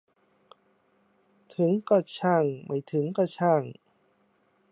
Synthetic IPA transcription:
t̪ʰɯ˨˩˦ŋkɔ˧˩t͡ɕʰaː˧˩ŋmʔa˧˩jt̪ʰɯ˩˦ŋka˧˩t͡ɕʰaː˧˩ŋ

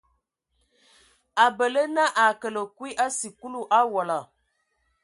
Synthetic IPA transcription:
a˨bə˨lə˦na˦ʔa˨kə˨lə˨kwi˦ʔa˦si˨ku˦lu˦ʔa˦wɔ˨la˨

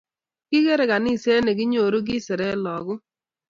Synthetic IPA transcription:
kɪ˦ɣe˦ɾe˨ka˨ni˦˨se˦ne˨ɡɪ˦ɲo˨ɾo˦ɡ̬ɪ˦sɪ˨ɾɛ˦lɔ˨ɡʊ˦

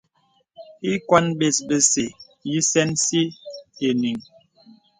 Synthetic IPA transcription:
i˦kwa˦nɓe˨sbə˦se˨ | ji˦sɛ˦nsi˦e˨ni˨ŋ

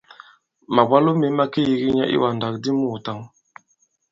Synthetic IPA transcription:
ma˨ba˦lu˦me˨˦ma˦ki˦ji˨ɡi˦ɲa̰˦ʔḭ˦wa˨n˨da˨kdi˦mu˦˨ta˦ŋ

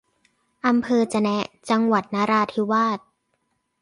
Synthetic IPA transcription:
ʔa˧mpʰɤː˧t͡ɕa˧nɛ˦˥t͡ɕa˧ŋwa˨˩t̪̚naː˦˥ɾaː˧t̪ʰi˦˥waː˥˩t̪̚

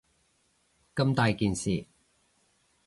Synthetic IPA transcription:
kɐ˥˧mt̪aː˨˧jkiː˨nsiː˨

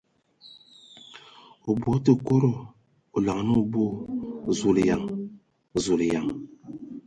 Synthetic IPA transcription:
o˨bwo˨˦tə˨ko˦ɾo˨ | o˨la˨ŋ˨nə˦o˦˨bo˦˨zu˨lja̰˨ŋ˨ | zu˨lja˨ŋ

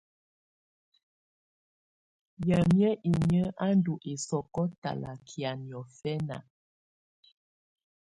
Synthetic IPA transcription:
jə˨mjə˦ʔi˨ɲə˦a˦ndu˨ʔe˨sɔ˨kɔ˦ta̰˨la̰˨kʰja˨njɔ˨fɛ˦na̰˨

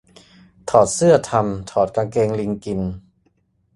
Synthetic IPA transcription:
t̪ʰɔː˨˩t̪̚sɯ˥˩ɐt̪ʰa˧mt̪ʰɔː˨˩t̪̚kaː˧ŋkeː˧ŋli˧ŋki˧n

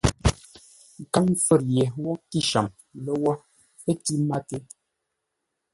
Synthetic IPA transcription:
ka˦ŋfə˨ɾjɛ˨wɔ˦ti˦ʃa˨m | lə˦wɔ˦ | pə˦ti˦ma˦te˦

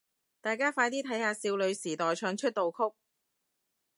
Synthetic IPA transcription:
t̪aː˨jkaː˥faː˧jt̪iː˥t̪ʰɐ˨˥jhaː˧siː˧wlɵ˨˧ɥsiː˨˩t̪ɔː˨jt͡ʃʰœː˨˧ŋt͡ʃʰɵ˥t̚t̪o˨wkʰʊ˥k̚

